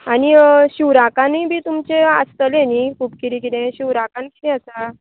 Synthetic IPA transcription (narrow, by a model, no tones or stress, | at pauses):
añiɕuwɾakãnibʱiːt̪umt͡ɕeast̪əlenikʰuːpkiɾĩkit̪ẽɕuʋɾakankit̪ɛ̃əsa